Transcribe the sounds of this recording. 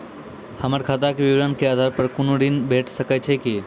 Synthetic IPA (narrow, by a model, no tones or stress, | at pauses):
həməɾkʰaːt̪̬akeʋɪʋɾənkeaːd̪ʱaɾpəɾkʊnoɽinbʱeʈʰsəkat͡ʃʰeki